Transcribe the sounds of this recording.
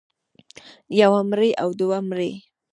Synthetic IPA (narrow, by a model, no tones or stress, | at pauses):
jawamɾeʔawd̪uwamɾe